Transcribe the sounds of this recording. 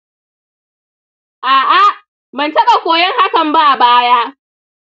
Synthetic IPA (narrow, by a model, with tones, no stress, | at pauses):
ʔaː˨ʔa˦ | mɐ˨ntɐ˦kʼa˨kʷoː˨jɛ˦ŋha˦kɐ˨mba˦ʔa˨baː˦jaː˦